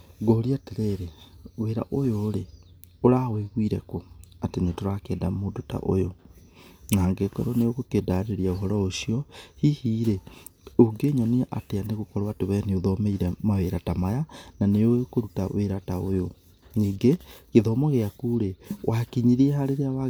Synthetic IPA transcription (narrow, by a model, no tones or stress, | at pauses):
ɡoɾiateɾeɾeweɾa̰ʔojoːɾe | oɾaweɣwiɾɛkoatenetoɾakɛːdamodota̰ʔo̰jo | naːŋɡekɛ̰ɾɔnejoɣokedaɾeɾiaoɦɔɾɔoʃiɔhihiːɾɛ | oɡeɲɔniʔateaneɣokɔɾawateβɛneoðɔmeiɾɛmaweɾatamajananejokoɾutaweɾataojo | niːŋɡekeðɔmɔɣeakuːɾewʔakiɲiɾiɛɦaɾeɾeawa